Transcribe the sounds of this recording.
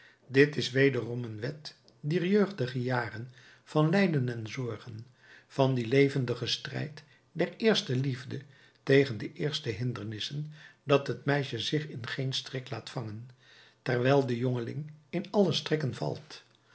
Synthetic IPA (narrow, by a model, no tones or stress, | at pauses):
dɪtɪsʋejdərɔmənʋɛt | diːɹjøɥχdəχəjaːrən | v̥ɑnlɛjdənɛnzɔɹχən | v̥ɑndilejvəndəχəstrɛ̰jt | dɛɹɪːɹstəlivdə | tejχəndəʔɪːɹstəɦɪndəɹnɪsəndɑtɦətmɛjʃəzɪχɪnχejnstrɪk̚laːtfɑŋən | tɛɹʋɛlˠdəjɔŋəlɪ̰ŋɪnɑləstrɪkənvɑ̰lˠt